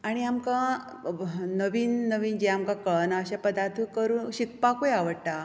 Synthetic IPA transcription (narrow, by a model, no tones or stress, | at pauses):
aɽ̃iamkã | nəʋiːnːəʋiːnd͡ʑɛamkakəɭnaəɕãpəd̪aɾt̪ʰukəɾuːnɕik̚pakojaʋəɽʈ̪a